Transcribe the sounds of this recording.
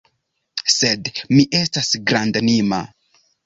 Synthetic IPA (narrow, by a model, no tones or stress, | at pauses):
sedmiʔe̞stasɡɾandanima̰